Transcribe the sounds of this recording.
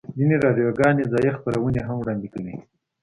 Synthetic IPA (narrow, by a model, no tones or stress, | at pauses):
zineɾɑɖijoɡɑnezɑjexpaɾawəneɦamwɽɑnd̪ikəwi